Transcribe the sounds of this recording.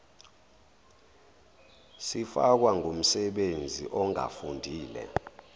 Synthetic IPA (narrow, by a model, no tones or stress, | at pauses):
sifak̬waŋum̩sɛɓend͡zʱḭʔɔŋʱa̰fundʱiːlɛ̰